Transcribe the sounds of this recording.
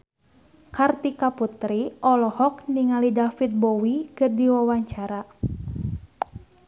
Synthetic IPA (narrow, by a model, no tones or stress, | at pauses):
kart̪ikaput̪ɾiɔlɔhɔk̚niŋalidafit̪̚bɔwikɨrdiwawaɲt͡ʃaɾa